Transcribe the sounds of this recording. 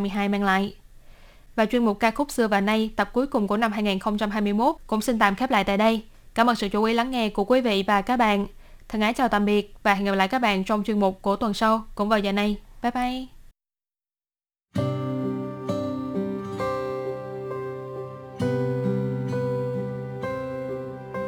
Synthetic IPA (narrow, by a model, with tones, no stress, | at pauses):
mɨ˧əjɦaː˧jmaː˧ŋla̰ː˧˨jʔ | vaː˨˩t͡ɕwi˧ənmʊ˨˩k͡p̚kːaː˧xʊ˦˥k͡p̚sɨ˧əvaː˨˩wna˧jt̪ə˨˩p̚ku˨˦jkʊ˨˩ŋ͡mku˧˩əna˧mhɦaː˧jŋiː˨˩nxə˧wŋ͡mt͡ɕa˧mɦaː˧jmɨ˧əjmo˦˥t̚kʊ̰˧˥ŋ͡msi˧nt̪aː˨˩mxɛ˦˥p̚la̰ː˧˨jt̪a̰ː˧˨jɗə˧j | kaː˧˩mə̰˨˩n̚sɨ̰˧˨t͡ɕu˧˦ʔi˨˦la˨˦ŋːɛ˧ku˧˩əkwi˨˦vḭ˧˨vaː˨˩kaː˦˥k̚ɓa̰ː˧˨n | t̪ʰɨ˨˩ŋʔaː˨˦nt͡ɕaː˨˩wt̪a˨˩mɓi˨˩ət̚vaː˨˩hi˨˩p̚l̰ːkaː˦˥k̚ɓa̰ː˧˨nt͡ɕɔ˧wŋ͡mt͡ɕwi˧ənmʊ˨˩k͡p̚ku˧˩ət̪wə˨˩nsa˧wkʊ̰˧˥ŋ͡mvaː˨˩zəː˨˩na˧jfɛ˦˥p̚ʔa˧j